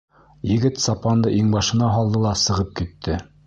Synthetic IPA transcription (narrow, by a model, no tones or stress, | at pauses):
jɘ̆ɡɘt̪sɑpɑnd̪ɤʔiŋbɑʃɤ̆nɑɦɑlˠd̪ɤlˠɑsɤ̆ʁɤp̚kit̪ːɘ